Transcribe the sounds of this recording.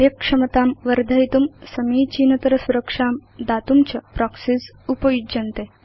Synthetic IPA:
jɐkʂɐmɐt̪aːmʋɐɾd̪ʱɐit̪umsɐmiːt͡ɕiːnɐt̪ɐɾɐsuɾɐkʂaːmd̪aːt̪umt͡ɕɐpɾaksis | upɐjuɐnt̪e

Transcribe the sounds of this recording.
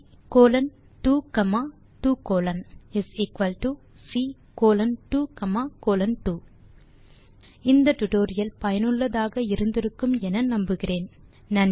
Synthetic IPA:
koːlɐn | ʈuːkɐmaː | ʈuːkoːlɐnɪsɪkʋɐlʈu | siː | koːlɐnʈuːkɐmaːkoːlɐnʈuː | ɪnd̪ɐʈʊʈoːɾɪjɐlpɐjɐnɯɭːɐðaːɣɐɪɾɯnd̪ɪɾɯkːɯmɛnɐnɐmbɯɣɪreːn | nɐn

